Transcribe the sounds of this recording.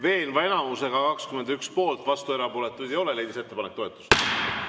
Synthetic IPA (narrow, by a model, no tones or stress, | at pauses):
ve̞ːnvɑe̞nɑmuse̞ɡ̥ɑkɑkskyme̞nd̪ykspo̞ːlt̪ˑvɑst̪ue̞ɾɑpoːle̞t̪ːˑujd̪̥ejo̞le̞le̞jd̪is̬e̞t̪ːe̞pɑnek̚ːt̪o̞et̪ːˑu̥st̪